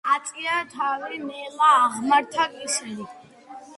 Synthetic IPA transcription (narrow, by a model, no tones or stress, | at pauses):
at͡sʼijat̪ʰawinɛːlaʁmaɾt̪ʰakʼisli